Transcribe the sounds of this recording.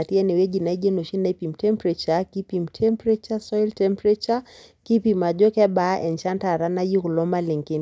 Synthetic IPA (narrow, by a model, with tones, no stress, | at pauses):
a˨ti˦ɛ˦ni˨wɛ˦d͡ʒi˨na˨i˦ɡɛ˦nu˨ʃi˦naipi˨mtɛ˦mpɾɛt͡ʃaki˦pimtʰɛmpɾɛt͡ʃasɔjltɛmpɾɛt͡ʃa | ki˦pima˨d͡ʒɔ˦kɛ˦ɓa˦ʔɛ˨nt͡ʃa˦nta˨ɾa˦na˦ji˦ku˨lɔ˦ma˦li˨ŋki˦n